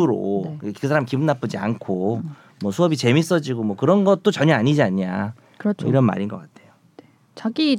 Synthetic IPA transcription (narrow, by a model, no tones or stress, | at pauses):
uɾo̰kɯs̬ʰaɾamikibunːap͈ɯd͡ʑia̰nkʰo | mwʌsʰuʌbit͡ɕe̞mis͈ʌd͡ʑiɡomwʌkɯɾʌnɡʌt̚t͈ot͡ɕʌɲʌaɲid͡ʑiaɲa | kɯɾʌt͡ɕiɾʌnma̰ɾinɡʌk͈atʰe̞jo | t͡ɕaɡi